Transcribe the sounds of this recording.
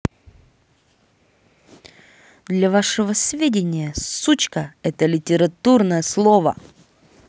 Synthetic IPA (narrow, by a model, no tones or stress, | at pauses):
d̪lʲavaʂɨvəsʲvʲedʲɪnʲɪjəsut͡ɕkəɛt̪əlʲɪtʲɪɾɐt̪urnəjəslˠovə̰